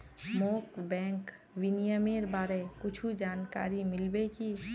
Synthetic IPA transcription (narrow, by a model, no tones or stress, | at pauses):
moːkbɛ̃ːŋk | wɪnijəmeɾbaːɾekʊt͡ʃʰud͡ʒaːnka̰ːɾimɪlbeki